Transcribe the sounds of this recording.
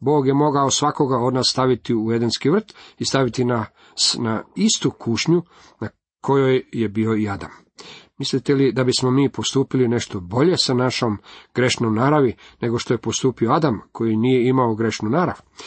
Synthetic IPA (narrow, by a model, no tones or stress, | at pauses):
bo̞ːɡje̞mo̞ɡaosʋako̞ɡao̞d̪naːsːt̪aʋit̪iuje̞d̪enskiʋr̩t̪ist̪aʋit̪ina | snaist̪ukʰuʃɲu | na | kʰo̞jojje̞bio̞iad̪a̰mː | islit̪e̞lid̪abismo̞miːpo̞st̪uːpiline̞ʃt̪o̞bo̞ʎe̞sanaʃo̞mɡ̥ɾeʃnomnaːɾaʋine̞ɡo̞ʃt̪oje̞post̪uːpio̞ad̪amkʰo̞jinije̞imaoɡɾe̞ʃnunaːɾa̰ʋ